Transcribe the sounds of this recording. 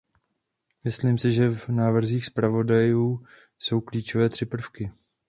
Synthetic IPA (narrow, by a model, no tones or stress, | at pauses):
mɪsliːmsɪʒɛvnaːvr̩ziːxspɾavo̞dajuː | so̞wkliːt͡ʃovɛːt̪r̥ɪpr̩fkɪ